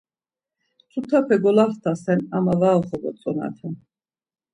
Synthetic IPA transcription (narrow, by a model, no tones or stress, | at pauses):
t͡sʰut̪ʰapʰɛɡɔlaχt̪ʰasɛnamavaɔχɔɡɔ̰t͡sʼɔna̰t̪ʰɛn